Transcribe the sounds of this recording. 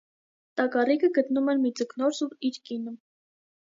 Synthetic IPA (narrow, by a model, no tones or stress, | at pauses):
t̪ɑkɑrikʰəɡət̪numɛnmid͡zəknɔɾsuiɾkinə